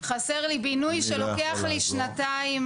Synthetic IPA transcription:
χase̞ʁlibinujʃeloke̞aχliʃnataim

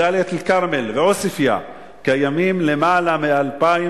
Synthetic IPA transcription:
alet̪lkaʁmelveosifja̰ | kajamimle̞maːlamealpai

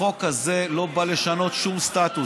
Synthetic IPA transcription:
o̞khaze̞lo̞baleʃano̞t̪ʃumst̪at̪u

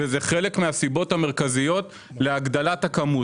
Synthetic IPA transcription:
ezeχe̞lekmeasibo̞tameʁ̞kazijo̞t̪ | le̞aɡd̪alatakamu

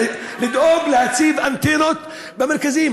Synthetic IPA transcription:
lɪd̪ʔoːblɪhat̪siːbʔant̪enot̪ | bamaɾˤkaziːm

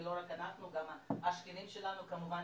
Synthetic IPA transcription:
loɾakanaχnuɡamaaʃkenimʃelanukamuva

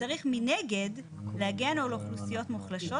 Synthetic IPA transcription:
aʁiχmineɡe̞d | leaɡeanoloχlusijo̞tmuχlaʃo̞

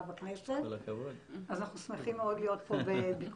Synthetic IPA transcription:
baknesetlakɐvodazanaχnusmeχimeodlijo̞t̪pobebik

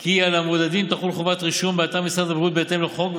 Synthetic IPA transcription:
kialamod̪ad̪imt̪aχulχovat̪ʁiʃumbeat̪aʁmisad̪abʁut̪̚bet̪emleχo̞ɡ

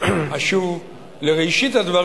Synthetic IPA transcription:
aʃuv | leʁejʃit̪had̪va

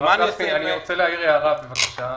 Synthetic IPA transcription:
maɡafkeaniʁot͡seleajiʁjaːʁabevakḁʃa

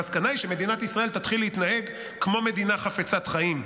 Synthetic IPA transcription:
askanaiʃeme̞d̪inat̪isʁaelt̪at̪χilːeit̪nahe̞ɡ | kmo̞me̞d̪inaχafet͡sat̪χaim

